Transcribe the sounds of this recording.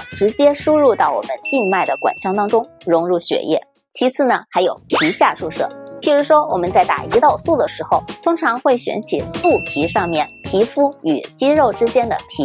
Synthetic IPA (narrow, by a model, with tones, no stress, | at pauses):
ʈ͡ʂɻ̩˧˥t͡ɕjɛ˥ʂu˥ɻu˥˧t̪ɑ˥˩ʊwɔ̰˨˩mə̰˦nt͡ɕi˥˧nma˥˩ɪd̪ə˩kwa̰˨˩nt͡ɕʰjɑ˥ŋt̪ɑ˥ŋʈ͡ʂʊ˥ŋ | ɻʊ˧˥ŋɻu˥˩ɕɥɛ̰˨˩jɛ̰˥˩ | t͡ɕʰi˧˥t͡sʰɹ̩˥˩nə˩xa˧˥ɪjo˨˩ʊpʰi˧˥ɕja˥˧ʂu˥˩ʂɤ̰˥˩pʰi˧˩ʂu˧˥ʂwɔ˥wɔ˨˩mə˦nt͡sa˥˩ɪt̪a̰˨˩i˧˥t̪ɑ˥˧ʊsu˥˩d̪ə˩ʂɻ̩˧˥xo˥˧ʊt̪ʰʊ˥ŋʈ͡ʂʰɑ˧˥ŋxwe˥˩ɪɕɥɛ̰˧˥nt͡ɕʰḭ˨˩lu˥˩pʰi˧˥ʂɑ˥˧ŋmjɛ˥˩np̪ʰi˧˥fu˥y̰˨˩t͡ɕi˥ɻo˥˩ʊʈ͡ʂɻ̩˥t͡ɕjɛ˥nd̪ə̰˨pʰi˧˥